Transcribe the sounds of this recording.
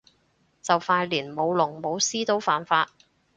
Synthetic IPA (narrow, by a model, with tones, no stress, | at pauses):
t͡sɐ˨wfaː˧jliː˨˩nmo˨˧wlʊ˨˩ŋmo˨˧wsiː˥t̪o˥wfaː˨nfaː˧t̚